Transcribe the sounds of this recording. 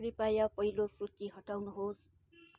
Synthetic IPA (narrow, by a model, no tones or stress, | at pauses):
ɾipajapʌɦilosut̪iɦʌʈawnuɦos